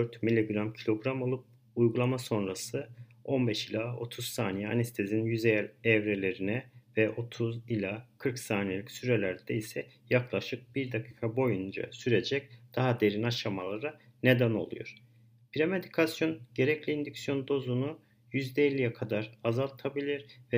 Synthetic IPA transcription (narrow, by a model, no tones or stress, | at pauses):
øɾt̪milʲiɡɾamcʰilʲo̞ɡɾamo̞lˠup̚ | ujɡulˠamaso̞nɾasɯ | o̞nbɛʃilʲao̞t̪ʰuz̥saːnijɛa̰nɛst̪ʰezinjyzejɛlʲɛvɾe̞lʲe̞ɾinɛvɛʔo̞t̪ʰuzilʲakʰɯɾksaːnijelʲicsyɾe̞lʲæɾd̪ɛisɛjaklˠaʃɯk̚b̥iɾd̪akʰi̥ːkʰabo̞jund͡ʒa̰syɾe̞d͡ʒɛc̚d̪̥aɦad̪e̞ɾinaʃamalˠaɾa | ne̞d̪æno̞̰lˠṵjo̰ɾ̥ | pʰiɾame̞d̪ikʰasjo̞nɟ̥e̞ɾɛclʲiind̪icsjo̞nd̪o̞zunu | jyzd̪ɛelʲːijɛkʰad̪aɾazalˠt̪ʰabilʲiɾvɛ